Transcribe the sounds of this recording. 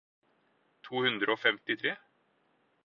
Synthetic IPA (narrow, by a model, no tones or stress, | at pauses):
t̪ʰuːhʉnd̪ɾəoːfɛmt̪ɪt̪ʰɾeː